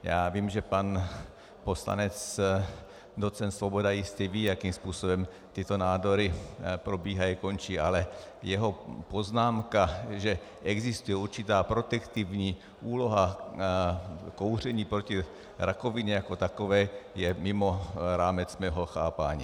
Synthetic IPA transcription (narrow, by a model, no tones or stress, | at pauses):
jaːviːmʒɛpan | posla̰nɛt͡s | d̪ot͡sɛnt̪svobodajɪst̪ɛviːjakiːmspuːsobɛm | t̪ɪt̪onaːd̪oɾɪpɾobiːɦajikont͡ʃiːʔalɛjɛɦopoznaːmkaʒɛ | ʔɛɡzist̪ujɛuɾt͡ʃit̪aːpɾot̪ɛkt̪ivɲiː | ʔuːloɦa | kowr̝ɛɲiːpɾoci | ɾʔakoviɲɛjakot̪akovɛːjɛmɪmoɾaːmɛt͡smɛːɦoxaːpaːɲḭː